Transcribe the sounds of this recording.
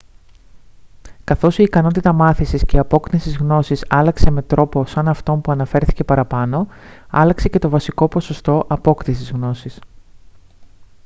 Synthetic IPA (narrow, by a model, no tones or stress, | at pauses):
kɐθo̞siːkɐno̞t̪it̪ɐmɐθisisceɐpo̞knisizɣno̞sisɐlɐkse̞me̞t̪ɾo̞po̞sɐnɐft̪o̞mpuɐnɐfe̞ɾθi̥ce̞pɐɾɐpɐno̞ɐ̰lɐkse̞ce̞t̪o̞vɐsiko̞po̞so̞st̪o̞ʔɐpo̞kt̪isizɣno̞sis